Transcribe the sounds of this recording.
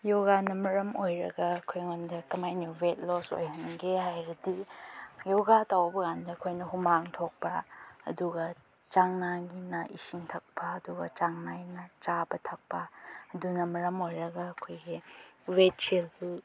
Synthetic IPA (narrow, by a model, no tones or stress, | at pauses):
joɡanɐmɐɾɐmojɾɐ̰ɡɐːkʰojŋondɐkɐmajniwet̚loso̰jɦɐŋɡehajɾɐdijoɡatawbɐɡandɐɐkʰojnɐɦumaŋtʰok̚pɐ̰ːduɡɐ | t͡ʃaŋnaɡinɐʔisiŋtʰɐk̚pʰɐɐduɡɐ̰t͡ʃaŋnanɐt͡ʃabɐtʰɐk̚pɐɐdunɐmɐɾɐmojɾɐɡɐɐkʰojɡiwet̚t͡ʃildu